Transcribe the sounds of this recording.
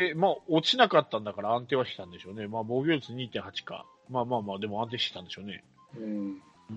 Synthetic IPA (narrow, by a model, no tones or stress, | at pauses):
emaːot͡ɕinakat̪ːãnd̪akaɾaãnt̪e̞ːβaɕi̥kʲi̥t̪ãnd̪e̞ɕo̞ːne̞maːbo̞ːɡʲo̞ːt͡sɨɲ̟iːt̪ẽ̞ɰ̃ɦat͡ɕi̥ka̰ | maːmaːmaːd̪e̞moãnt̪eːɕi̥kʲi̥t̪ãnd̪e̞ɕoːne̞̰